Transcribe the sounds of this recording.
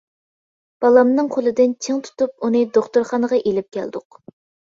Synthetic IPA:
b̥ɑlˠɑmnɨŋqʰolˠɨd̪ɪnt͡ʃʰeŋt̪ʰu̥t̪up̚unɨd̪oχt̪oɾχɑnəʁɑʔelɪp̚kʲʰæ̰ld̪ʊq

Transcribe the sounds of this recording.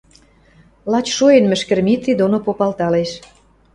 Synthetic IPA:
lɑt͡ɕʃoenmɘ̆ʃkɘ̆rmit̪ːid̪onopopɑlt̪ɑleʃ

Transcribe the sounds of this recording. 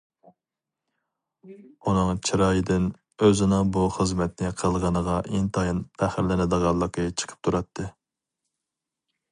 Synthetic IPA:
unɨŋt͡ʃʰiɾɑːjɪd̪ɪn | øzɪnɪŋbuχəzmɛt̪nɪqʰəlˠʁɑnəʁɑʔeŋt̪ʰɑjinpʰæχɪɾlɪnɪd̪əʁɑlˠːəqət͡ʃʰə̥qʰə̥p̚t̪ʰuɾɑt̪ʰːɨ

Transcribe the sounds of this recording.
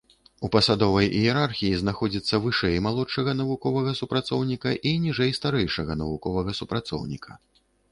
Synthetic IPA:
upɐsad̪ɔvɐjʔijɛɾarxʲijiznaxɔd͡zʲit̪sːɐvɨʂɛjmalˠɔʂɐɣɐnɐvukɔvɐɣɐsupɾat̪sɔwnʲikɐʔinʲiʐɛjst̪aɾɛjʂɐɣɐnɐvukɔvɐɣɐsupɾat̪sɔ̰wnʲikʰɐ̰

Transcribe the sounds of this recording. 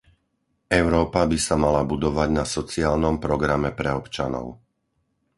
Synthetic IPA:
ʔɛʊɾɔːpabisamalabud̪ɔʋaɟnasɔt͡siaːlnɔmpɾɔɡɾamɛpɾɛɔpt͡ʃa̰nɔ̰ʊ

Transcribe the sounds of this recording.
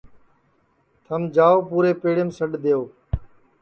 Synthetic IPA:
t̪ʰəmd͡ʒaːoːpuːɾeːpeːɽemsəɖd̪eːoː

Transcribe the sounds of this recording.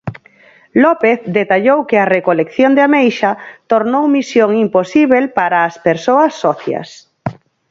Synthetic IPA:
lɔpeθd̪et̪aʎowkearekolekθjond̪amejʃat̪oɾnowmisjoŋimposiβelpaɾaːspeɾsoɐsːɔθja̰s

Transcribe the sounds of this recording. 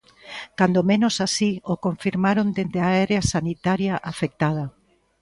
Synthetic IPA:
kand̪omẽnosasiokoɱfiɾmaɾond̪ed̪eaɛɾeasanit̪aɾjaʔafek̚t̪að̞ɐ

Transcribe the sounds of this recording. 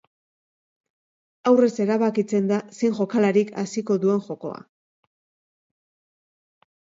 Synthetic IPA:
awre̞se̞ɾaβakit͡se̞nd̪asiŋʝo̞kalaɾika̰siko̞ðue̞ŋʝo̞ko̞̰a̰

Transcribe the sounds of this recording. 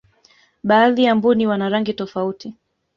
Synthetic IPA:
ɓaːðijambuniwanaɾaŋɡitɔfauti

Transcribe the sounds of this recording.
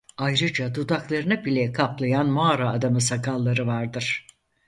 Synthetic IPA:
ajɾɯd͡ʒad̪ud̪aklˠaɾɯnɯbilʲɛkʰaplˠajanmaaɾaːd̪amɯsakʰalˠːaɾɯvaɾd̪ɯɾ̥

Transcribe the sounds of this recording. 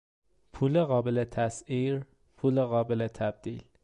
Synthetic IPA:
pʰuːleɣɒːbelet̪ʰæsiːɾ | pʰuːleɣɒːbelet̪ʰæb̚d̪̥iːl

